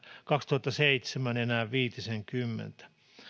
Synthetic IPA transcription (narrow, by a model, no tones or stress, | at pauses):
kɑkst̪uhɑt̪ːɑseit̪semænenæːʋʋiːt̪iseŋkymːḛnt̪æ̥